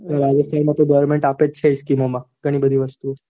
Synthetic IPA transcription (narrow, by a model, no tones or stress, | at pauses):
ɾad͡ʒəst̪ʰanmãt̪oɡɔʋəɾmeɳʈapett͡ʃʰeiskimomãɡ̥əɽ̃iːbəd̪ʱiʋəst̪u